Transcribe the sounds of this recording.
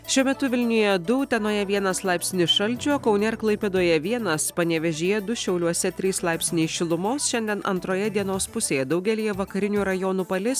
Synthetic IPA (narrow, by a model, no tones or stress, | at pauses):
ʃʲuɔmʲɛt̪ʊʋʲɪlʲnʲɪjɛd̪ʊt̪ʲɛnoːjɛʋʲiɛnɐslˠɑˑɪpʲsʲnʲɪʃɐlʲd͡ʒʲukɒʊnʲɛɪɾklˠɐɪpʲed̪oːjɛʋʲiɛnɐspɐnʲɛʋʲɛʒʲijɛd̪ʊʃʲɛʊlʲuɔsʲɛt̪ʲɾʲiːslˠɑɪpʲsʲnʲeɪʃʲɪlˠʊmoːsʃʲɛnʲd̪ʲiɛnɐ̰nt̪ɾoːjɛd̪ʲiɛnoːspʊsʲeːjɛd̪ɒʊɡʲɛlʲɪjɛʋɐkɐɾʲɪnʲuːɾɐjoːnuːpɐlʲɪs